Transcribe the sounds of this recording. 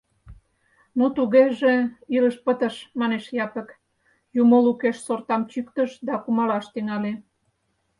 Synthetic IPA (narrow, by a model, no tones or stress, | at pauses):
nut̪uɣeʒeiləʃpət̪əʃmɑneʃjɑpə̆k | jumolukeʃsort̪ɑmt͡ɕykt̪əʃd̪ɑkumɑlɑʃt̪yŋɑle